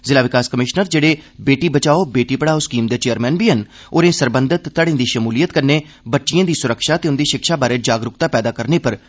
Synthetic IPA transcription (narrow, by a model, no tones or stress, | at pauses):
zɪlaːʋɪkaːskəmɪʃnəɾd͡ʒeːɽeːbeːʈiːbət͡ʃaːoːbeːʈiːpəɽaːoskiːmd̪eːt͡ʃeːəɾmɛːnbiːɦən | oːɾẽːsəɾbənd̪ət̪ːəɽẽːd̪iːʃəmuːlijət̪kəɾneː | bətːʃijãːd̪iːsʊɾəkʃaːt̪eːʊnd̪iːʃɪkʃaːbaːɾeːd͡ʒaːɡɾʊkt̪aːpɛːd̪aːkəɾneːpəɾ